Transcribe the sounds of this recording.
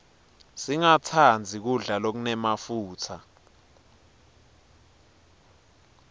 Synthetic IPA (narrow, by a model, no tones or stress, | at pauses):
siŋatʰand͡zʱik̬uɮalok̬unɛmafuːtʰa